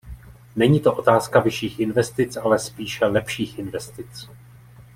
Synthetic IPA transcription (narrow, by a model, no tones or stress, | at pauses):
nɛɲiːt̪o̞ʔo̞t̪aːskavɪʃiːxʔɪnvɛst̪ɪt͡sʔalɛspiːʃɛlɛpʃiːxʔɪnvɛst̪ɪt͡s